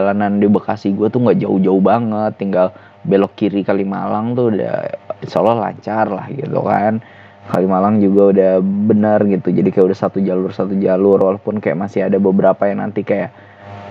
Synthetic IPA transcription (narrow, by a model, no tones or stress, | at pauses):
alanandabəkasihɡuat̪uŋɡaʔd͡ʒaʊd͡ʒaubaŋət̪ːiŋɡal | belɔkːiɾikalimalaŋt̪uda̰solɔhla̰ɲt͡ʃarla̰hɡḭt̪ṵkan | kalimalaŋd͡ʒuɡaudahbənərɡit̪ud͡ʒadikajaudahsat̪ud͡ʒalʊrsat̪ud͡ʒalʊrwalapʊnkaja̰ʔmasɪadabəbəɾapajaŋna̰nt̪ikajaʔ